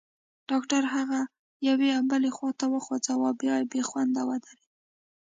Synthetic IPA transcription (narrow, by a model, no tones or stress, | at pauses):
ɖ̥ɑkʈaɾɦaɣa | jaweambəlexwɑt̪awəxwad͡zawɑbjɑjbexwand̪awad̪aɾi